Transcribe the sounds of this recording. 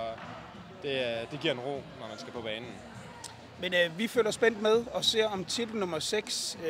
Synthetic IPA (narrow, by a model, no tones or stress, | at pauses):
d̥e̝d̥e̝ɡ̥iɐ̰enʁo̝̰ːnɒmænsɡ̥æpʰɒ̽b̥ɛːnn̩ | menʋifø̰ːlɐsb̥en̰d̥með̞ˠɒ̽se̝ɐɒ̽mt͡sʰid̥l̩nɔ̽mɐseɡ̥s